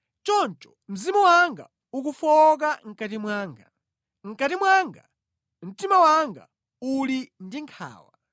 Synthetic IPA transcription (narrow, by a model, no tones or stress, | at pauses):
t͡ʃɔnt͡ʃɔ̥m̩zimuwaŋɡa̰ | uk̬ufɔk̬aŋ̩katimwaːŋɡa | ŋ̩katimwaŋɡa̰ | m̩timawaŋɡa̰ | ulindiŋkʰa̰ːwa̰